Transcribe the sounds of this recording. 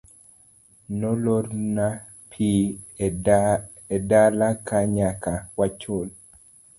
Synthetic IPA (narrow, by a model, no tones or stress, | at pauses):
nɔloɾna | pʰi | edalakaɲakawat͡ʃol